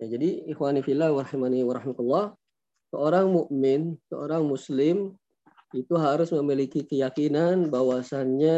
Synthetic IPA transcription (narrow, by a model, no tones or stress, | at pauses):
jad͡ʒadiɪxwanifilahwɑɾɑhimaniwaɾɑɦɪmat̪ulːɑh | səoɾaŋmuʔmɪnsəo̰ɾaŋmuslɪm | it̪uɦaɾʊsməmilikikəjakinanbawasanɲa